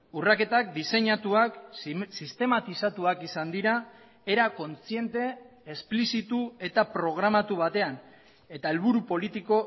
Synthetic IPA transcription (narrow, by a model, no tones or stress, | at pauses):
urake̞t̪ak̚d̪ise̞ɲat̪uaksist̪e̞mat̪isat̪uakisand̪iɾa | e̞ɾako̞nt͡sie̞nt̪e̞ː | splisit̪ue̞t̪apɾo̞ɣ̞ɾamat̪uβ̞at̪e̞an | e̞t̪ae̞lβuɾupo̞lit̪iko̞